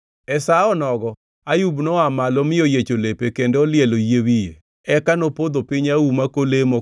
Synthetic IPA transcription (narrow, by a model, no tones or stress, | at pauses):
ɛsaɔnɔɡɔ | ajubnɔamalɔmɪojet͡ʃolepekendɔlɪɛlojewije | ɛkanopod̪opiɲaumakolemo